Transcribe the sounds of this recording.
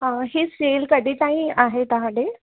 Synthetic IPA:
ɦãɦiːsʈelkəd̪ʱiːkaɦĩaɦet̪aɦaɽe

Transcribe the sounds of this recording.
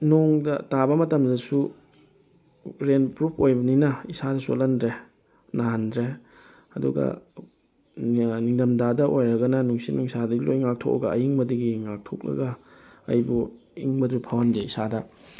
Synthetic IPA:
noŋdɐtabɐmɐtɐmdɐsu | ɾenpɾupʰojbɐninɐisadɐso̰lɐndɾe | naɦndɾe | ɐduɡɐ̰ | niŋdɐmdadɐʔojɾɐɡɐnɐnuŋsinuŋsadɐɡilojŋak̚tʰo̰k̚ɐ̰ɡɐɐjiŋbɐdɐɡiŋak̚tʰo̰k̚lɐ̰ɡɐɐ̰jbu | ḭŋbɐdɾupʰawɐndeisadɐ

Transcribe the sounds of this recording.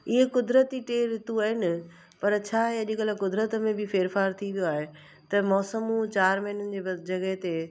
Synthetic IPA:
ɪɦekʊd̪ɾət̪iʈeːɾɪt̪uaːɦɪnɪ | pɐɾt͡ɕʰaːiɐʄɪkəlakʊd̪ɾət̪mẽbɪfeːɾfaːɾt̪ʰĩʋijoaːɦe | t̪ɐmɔːsəmũt͡ɕaːɾmɐɦɪnənɪ̆d͡ʑeːd͡ʑɐɡəɦt̪e

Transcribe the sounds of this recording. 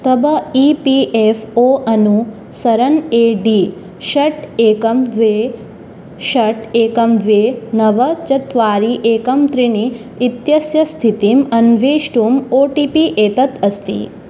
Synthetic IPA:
t̪ɐbɐiːpiʔefʰoːʔɐnu | sɐɾɐneːɖiː | ʃɐʈeːkɐmd̪ʋeː | ʃɐʈeːkɐmd̪ʋeːnɐʋɐt͡ʃɐt̪ʋaːɾiʔeːkɐmt̪ɾiɳiː | t̪jɐsjɐst̪ʰit̪imɐnʋeːʃʈumoːʈipiʔeːt̪ɐt̪ɐst̪ḭ

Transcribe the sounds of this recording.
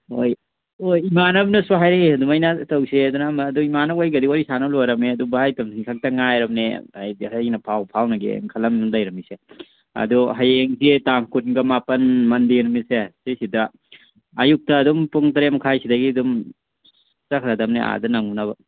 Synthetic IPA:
oj | ojimanɐbnɐsaɦajɾaɡeɐdumajnatɐwseɐdunamaːduimanawajɡɐdiwaɾisanalɔjɾɐmeɐdubaajtamsikʰak̚tɐŋajɾɐmnḛajhajnɐpʰawpʰawnɐɡḛŋkʰɐlɐmnumdajɾɐmise | ɐ̰duɦajeŋzetaŋkunɡɐmapɐnmɐndinumisesesidɐː | juk̚tɐːdumpuŋtɐɾemkʰajsidɐɡidum | sakʰɾadɐmnea̰dɐnaŋunaβɐ

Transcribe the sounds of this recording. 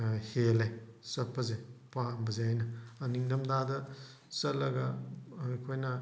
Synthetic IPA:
helesɐpːɐzepambɐzeajnɐːniŋdɐmdadɐ | sɐlɐɡɐ | kʰojnɐ

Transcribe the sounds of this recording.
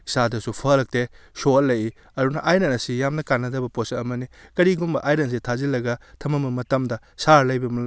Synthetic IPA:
sadɐsupʰɐɾɐk̚tesolɐji | ɐdunɐʔajnɐnɐsijamnɐkanːɐdɐbɐposɐmɐnikɐɾiɡumbɐʔajnɐnsitʰazilɐɡɐtʰɐmɐmɐmɐtɐmdɐ | saɾlɐjbɐmɐ

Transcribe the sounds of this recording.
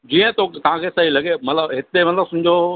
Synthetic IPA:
d͡ʑiːə̃t̪ot̪ɐʋ̤ãkʰesɐɦilɐɡemɐt̪ləbɦɪt̪emɐt̪ləbsʊd͡ʑʱo

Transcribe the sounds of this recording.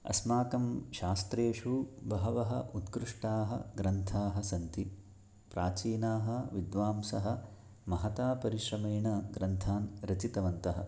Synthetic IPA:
ɐ̰smaːkɐmʃaːst̪ɾeːʂubɐɦɐʋɐɦɐ̰ʔut̪kɾuʂʈaːɦɐ̰ɡɾɐnt̪ʰaːɦɐsɐnt̪i | pɾaːt͡ʃiːnaːɦɐʋid̪ʋaːmsɐɦɐ̆ | mɐɦɐt̪aːpɐɾiʃɾɐmeːɳɐɡɾɐnt̪ʰaːnɾɐt͡ʃit̪ɐʋɐnt̪ɐɦɐ̰̆

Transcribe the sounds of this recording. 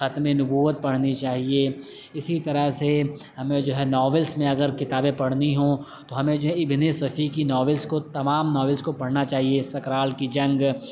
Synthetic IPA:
xɐt̪mẽnʊbuːʋət̪̚pɐɽ̤nit͡ʃaːɦie | ɪsit̪ɐɾəse | hɐmẽd͡ʒoːɦɛnɔːʋəlsmẽɐɡəɾkɪt̪aːbẽpɐɽ̤niɦõt̪oɦɐmẽd͡ʒoɦɛɪbʱɪnesɐfʰikinɔːʋəlskot̪ɐmaːmnɔːʋəlskopɐɽnat͡ʃaːɦiesɐkɾaːlkid͡ʒɐ̃ŋɡ

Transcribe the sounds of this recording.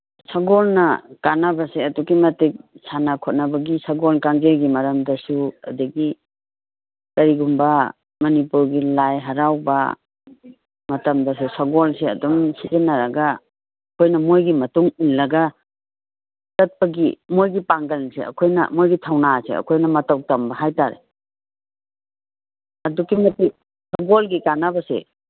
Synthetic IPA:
sɐɡɔlnɐkanabaseɐdukimɐtik̚sʰanakʰɔt̚nabɐɡisɐɡolkaŋzeɾɡimɐɾɐmdɐsuɐ̰dɐɡi | kɐɾiɡumbɐ | mɐnipuɾɡilajɦɐɾawba̰ | mɐtɐmdɐsusɐɡolseɐ̰dɔmsizenaɾaɡaː | kʰojnɐmojɡimɐtuŋunlɐɡa | tɐt̚pɐɡḭmojɡipaŋɡɐlnsḛɐ̰kʰojnɐ̰mojɡitʰawnasḛɐ̰kʰojnɐmɐtawtɐmbɐɦajtaɾḛ | ɐdukːimɐti | sɔɡolɡikanabɐsḛ

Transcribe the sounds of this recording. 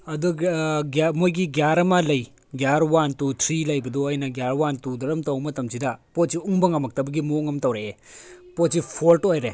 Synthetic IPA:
ɐduɡamojɡiɡjaɾɐmɐlɐj | ɡjaɾwantutʰɾilɐjbɐdɔɐjnɐɡjaɾwantudɐɾɐmtɐwmɐtɐmsidɐpot̚siuŋbɐŋɐmɐk̚tɐbɐɡimoŋɐmtɐwɾeːpot̚sipʰoltojɾe

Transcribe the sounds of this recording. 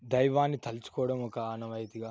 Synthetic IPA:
d̪ɐjʋaːnːit̪ɐlt͡ʃu̥kɔːɽɐmɔkɐaːnɐʋɐjt̪iɡaː

